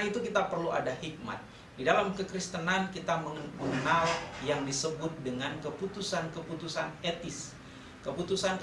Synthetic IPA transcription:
it̪ukit̪apərlua̰dahik̚ma̰t̪̚ | didalamkəkɾist̪ənankit̪aməŋəpənaljaŋdisəbʊt̪̚dəŋankəput̪usankəput̪usanet̪ɪs | kəput̪usank

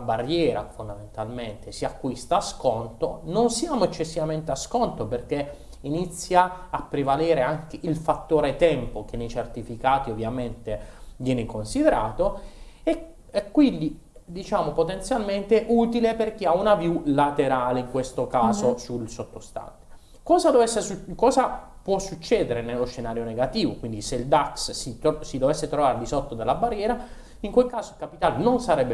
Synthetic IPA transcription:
abarːjɛːɾa̰fond̪ament̪alment̪esiakːwist̪aːskɔnt̪ononsjaːmoɛt͡ʃːesːivament̪easkɔnt̪operk̟e | init̪sːjaːpːɾevalɛːɾeaŋk̟eʔilfat̪ːoːɾet̪ɛmpok̟enːejt͡ʃert̪ifikaːt̪iovːjament̪evjɛːnekonsid̪eɾaːt̪oe | ɛkːwind̪i | d̪it͡ʃaːmopot̪ent̪sjalment̪eʔuːt̪ileperk̟iaunavjulat̪eɾaːleiŋkwest̪okaːzosulsot̪ːost̪a̰nt̪e̥ | kɔːzad̪ovɛsːesukɔːza | pwɔsːut͡ʃːɛːd̪eɾenelːosʃenaːɾjoneɡat̪iːvokwind̪iseild̪akssisid̪ovesːet̪ɾovaːɾed̪isot̪ːod̪elːabarːjɛːɾa | iŋkwelkaːzoilkapit̪aːlenonsaɾɛbːe

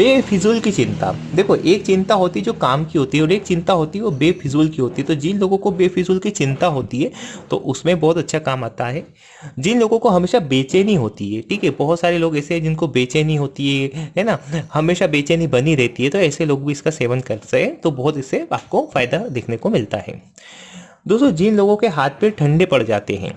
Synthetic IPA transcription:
beːfʰɪzuːlkit͡ʃɪ̃nt̪a̰d̪eːkʰoʔeːkt͡ʃɪ̃nt̪aɦoːt̪iɦɛd͡ʒoːkaːmkiɦoːt̪iɦɛɔːɾeːk̚t͡ʃɪ̃nt̪aɦoːt̪iɦɛʋobeːfɪzuːlkiɦoːt̪iɦɛt̪od͡ʒɪnloːɡõkobeːfʰɪzuːlkit͡ʃɪ̃nt̪aɦoːt̪iɦɛːt̪o̰ʔʊsmẽbɔɦʊt̪ɐtːʃʰakaːmaːt̪aɦɛː | d͡ʒɪnloːɡõkoɦɐmeːʃabeːt͡ʃenɦĩɦoːt̪iɦɛːʈʰiːkɦɛbɐɦʊt̪saːɾeloːɡɛːseɦɛ̃d͡ʒɪnkobeːt͡ʃenɐɦĩɦoːt̪iɦɛɦɛnahɐmeːʃabeːt͡ʃenɐɦĩbɐniɾɛɦt̪iɦɛt̪oɛːseloːɡbʱiɪskaseːʋənkɐɾsɐkẽt̪obɔɦʊt̪ɪsːeaːp̚kofaːɪd̪ad̪eːkʰnekomɪlt̪a̰ɦɛ̰ː | d̪oːst̪od͡ʒɪnloːɡõkeɦaːt̪ʰpẽʈʰɐ̃ɳɖepɐɽd͡ʒa̰ːt̪eɦɛ̰̃ː

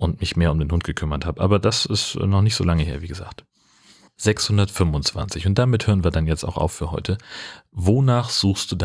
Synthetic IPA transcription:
ʔʊntmɪçmeːɐʊmdeːnhʊnt̚ɡ̥əkʰʏmɐthaːbəʔaːbɐdasɪstːnɔχnɪçtz̥o̰ːlaŋəheːɐviːɡəza̰ːkt | z̥ɛkshʊndɐtfʏmʊnt͡sv̥a̰nt͡sɪçʊnt̚d̥aːmɪthøːʁən̩viːɐdanjɛt͡sta̰ʊxʔa̰ʊfyːɐɦɔ̰ʏtʰəvoːnaːχz̥uːxstd̥uːda

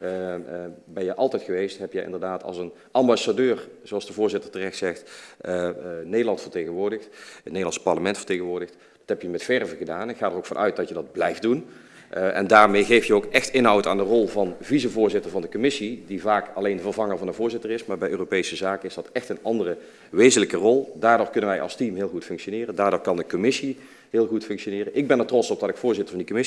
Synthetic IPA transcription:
bɛnjəʔɑlˠtɛjtxəʋejstɦɛpjəʔɪ̰ndərdaːtʰɑ̰lˠsən | ɑmbɑsadøːrz̥oɑlsd̥əvʊːɹzɪtətərɛxtsɛxt | nejdəlɑntfərtejɣənʋʊːɹdəxtnejdlɑnspɑɹləmɛntfə̥rtejɣənʋʊːɹdəxt | d̥ɑtɦɛpjəmɛtfɛrvəɣədaːnɛnxaːdərowkfɑnʔœ̰ɥt̚dɑtjədɑd̚blɛjftdun | ɛ̰ndaːɹmejɣejftjəowkɛxtɪnɦɑwta̰ːndərɔlˠvɑnvizəvʊːɹzɪtəɹvɑndəkomɪsidivaːkɑlejndəvərvɑŋəɹvɑndənvʊːɹzɪtərɪsmaːɹbɛjʔøːropejsəzaːkəɪsdɑtɛxtənɑndərə | ʋejzənləkərɔlˠdaːɹdoːχkɵnənʋɛjʔɑ̰lˠstimɦɪːlˠɣutfɵŋkʃonɪːrəndaːɹdoːɹkɑndəkomɪsi | ɦɪːlˠɣutfɵŋkʃonɪːrənʔɪɡ̚bɛnətrɔsɔp̚dɑtɪkfʊːɹzɪtəɹvɑndikomɪ

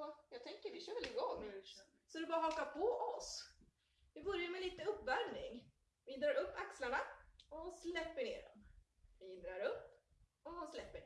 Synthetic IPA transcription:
ɔjɑːɡ̚t̪ʰɛŋkəɾvɪɕøːvɛlɪɡɔŋː | sɔd̪ɛbɑːɾaɦɔkːapʰɔʔɔs | vɪbɵɾjaɾmɛliːt̪əɵpːvæɾmnɪŋ | vɪd̪ɾɑɾɵpːakslaɳaɔslɛpːəɳeːd̪ɔ̰m | vɪd̪ɾɑɾɵpː | ɔd̪ɔnslɛpːə

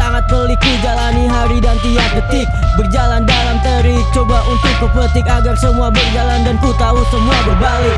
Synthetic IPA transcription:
aŋat̪̚polikid͡ʒalaniɦaɾidant̪iak̚bət̪ɪk̚bərd͡ʒalandalamt̪əɾit͡ʃobaʔunt̪ʊk̚pupot̪ɪkaɡarsəmuabərd͡ʒalandankut̪ausəmuabəbalɪ

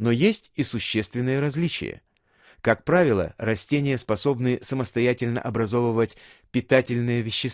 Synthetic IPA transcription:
no̞jesʲtʲisʊɕːest̪vʲɪnːɨjəɾɐzʲlʲit͡ɕɪ̰jə̰ | kakpɾavʲɪlˠə̰rɐsʲtʲenʲɪjəspɐso̞bnɨsəməst̪ɐjætʲɪlʲnə̰ʔɐbɾɐzo̞vəvətʲpʲɪt̪atʲɪlʲnɨjəvʲɪɕːɪs

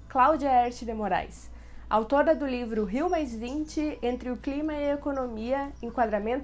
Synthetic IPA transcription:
klawd͡ʒɐɛɾt͡ʃɪd̪emoɾa̰js | ʔa̰wt̪oɾɐd̪ʊlivɾʊɦiwmajzvĩnt͡ʃɪẽnt̪ɾɪʊklimɐɪekonomiɐẽŋkwad̪ɾamẽnt̪

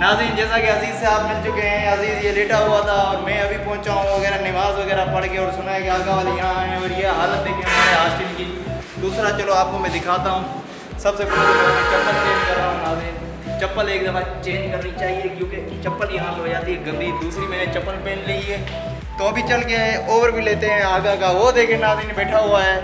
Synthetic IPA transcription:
naːzɾiːnd͡ʒɛːsakeɦɐziːzseaːpmɪlt͡ʃʊkeɦɛ̃ɦɐziːzjeleːʈaɦuat̪ʰaɔːɾmɛ̃ːɐbʱipɔ̃ːʊ̃t͡ʃaːɦũʋɐɣɛːɾanɪʋaːzʋɐɣɛːɾapɐɽkeɔːɾsʊnaekeaːɡaʋaːljɐɦãɦɛ̃ɔːɾjeɦaːlət̪̚d̪eːkʰẽɦɐmaːɾeɦaːst͡ʃɪnki | d̪uːsɾat͡ʃəloaːp̚komɛ̃d̪ɪkʰaːt̪aɦũː | sɐbsepʊɾad̪eːkamɛ̃t͡ʃɐpːəlt͡ʃeːd͡ʒkɐɾãɦnaːd̪ẽ | t͡ʃɐpːəleːk̚d̪ɐfʰãt͡ʃẽːd͡ʒkɐɾnit͡ʃaːɦiekjõːke | t͡ʃɐpːəljɐɦãloːd͡ʒaːt̪iɦeɡɐ̃nd̪ʱid̪uːsɾimɛːnet͡ʃɐpːəlpẽːnlieː | t̪oɐbʱit͡ʃɐlkeɦɛ̃ʔoːʋəɾbʱileːt̪eɦɛ̃aːɡakaʋod̪eːkʰẽnaːbinebɛːʈʰaɦoaɦɛː

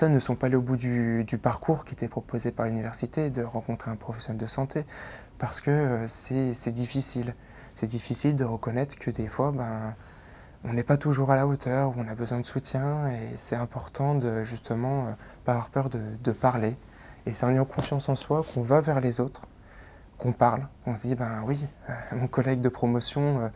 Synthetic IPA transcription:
pɛsɔnːəsɔ̃paleobud̪yd̪ypaʁkʰuʁkʲiet̪ɛpχɔpozepaʁlynivɛʁsit̪ed̪əʁɑ̃kɔ̃t̪χeɛ̃pχɔfɛsjɔnɛld̪əsɑ̃t̪ʰe | paʁsə̥kəøsɛsɛd̪ifisil | sɛd̪ifisild̪əʁəkɔnɛt̪χə̥kʰəd̪efwabɛ̃ | ɔ̃nɛpat̪uʒuʁalaot̪ʰœʁuɔ̃nabəzwɛ̃d̪əsut̪jɛ̃esɛt̪ɛ̃pɔʁt̪ʰɑ̃d̪əʒyst̪ʰəmɑ̃ø | paːvwaʁpœʁd̪əd̪əpaʁle | esɑ̃njɑ̃kʰɔ̃fjɑ̃sɑ̃swakʰɔ̃vavɛʁlezot̪χ | kɔ̃paʁlkɔ̃sd̪ibɛ̃wiømɔ̃kɔlɛɡd̪əpχɔmɔsjɔ̃ø

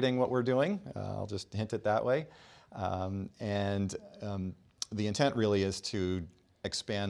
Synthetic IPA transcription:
ɾɪ̃ŋwʌʔwɪɹdʉɪ̃ŋa̰ɪlˠd͡ʒʌst̚hɪ̃ntɨt̪̚ðəʔwʔeɪ | ɨ̃n | ðiɨ̃ntʰɛ̃nʔɹɪlˠiɪz̥tʰɨ | ɨkspæ̃n

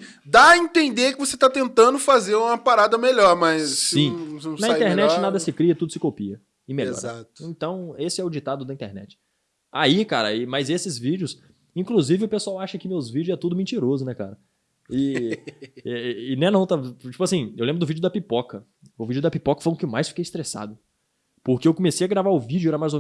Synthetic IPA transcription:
d̪aĩt̪ẽnd̪eɾkɪvoset̪at̪ẽnt̪ɐ̃nd̪ʊfazeɾũmɐpaɾad̪ɐmeʎɔɾmɐsssĩnɐĩt̪eɾnɛt͡ʃɪnad̪ɐssɪkɾiɐt̪ud̪ʊsɪkopiɐ | ɪmeʎɔ̰ɾat̪ĩt̪ɐ̃w̃esɪɛʊd͡ʒit̪ad̪ʊd̪ɐĩt̪ḛɾnɛ̰t͡ʃɪ̥ | a̰ikaɾɐ̰ɪmɐzesɪzvid͡ʒʊs | ĩkluzivɪʊpesuawaʃɐkɪʊmewzvid͡ʒʊzɛɾɐt̪ud̪ʊmẽt͡ʃiɾozʊnɛka̰ɾɐ | ɪ | ɛɪnẽnɐ̃w̃t̪at͡ʃi̥pʊasĩewlẽbɾʊd̪ʊvid͡ʒʊd̪ɐpipɔkɐ | ʊvid͡ʒʊd̪ɐpipɔkɐ̥fojʊ̃kɪewmajsfi̥kejɪst̪ɾesa̰d̪ʊ | poɾkeewkõmesejɐɡɾavaɾʊvid͡ʒʊɛɾɐmajzowm

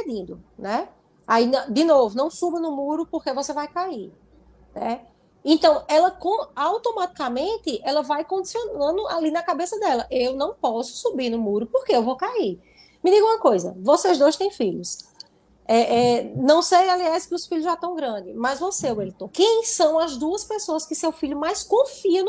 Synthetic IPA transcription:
ped̪ĩnd̪ʊnɛ | ainɐ̃d̪ɪnovʊnɐ̃w̃subɐnʊmuɾʊpoɾkevosevajkai | nɛ | ẽt̪ɐ̃w̃ɛlɐkõawt̪omat̪i̥kamẽnt̪ɪʔɛlɐvajkõd̪isionɐ̃d̪ʊalinɐkabesɐd̪ɛlɐʔewnɐ̃w̃pɔsʊ̥subiɾnʊmuɾʊpoɾkeewvowkai | mɪd̪iɡɐ̃ũɐkojzɐ̰vosezd̪ojst̪ẽj̃fiʎʊs | ɛʔɛnɐ̃w̃sejaliajskɪʊsfiʎʊzʒat̪ɐ̃w̃ɡɾɐ̃d̪ɪmɐzvoseowelɪt̪õkẽj̃sɐ̃w̃ɐzd̪uɐspesoɐskɪsewfiʎʊmajskõfiɐ̃n

